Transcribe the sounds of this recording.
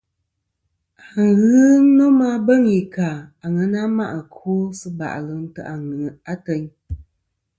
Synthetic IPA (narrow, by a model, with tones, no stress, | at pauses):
a˨ŋ˨ɣɨ˦nɔ˦ma˦bə˦˨ŋi˨ka˨a˨ŋə˨˦na˦ma˦ʔa˨kʰo˦sɨ˦ba̰˨ʔlɨ˨n̩˦tɨ̰˦ʔa˨ŋɨ˨a˦tə˨˦ɲ